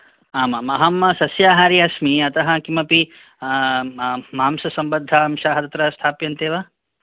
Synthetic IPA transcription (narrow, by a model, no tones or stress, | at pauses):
aːmɐmɐɦɐmːɐsɐsjaːɦaːɾiɐsmiɐt̪ɐɦɐ̆kimɐpi | maːmsɐsɐmbɐd̪ʱːɐɐmʃaːɦɐt̪ɐt̪ɾɐst̪ʰaːpjɐnt̪eːʋɐ